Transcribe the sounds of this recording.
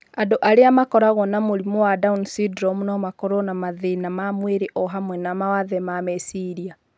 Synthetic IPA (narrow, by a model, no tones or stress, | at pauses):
adoʔaɾeamakɔɾaɣɔnamoɾimɔwadaunsidɾɔmunɔmakɔɾɔnamaðenamamweɾeʔɔɦamwɛnamawaðɛmamɛsiɾia